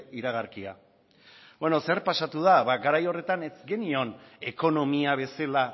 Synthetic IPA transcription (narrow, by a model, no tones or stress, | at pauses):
iɾaɣ̞aɾkia̰ | bweno̞se̞ɾpasat̪uð̞aβaɡaɾajo̞re̞t̪ane̞zɡe̞nio̞ne̞ko̞no̞miaβ̞e̞sela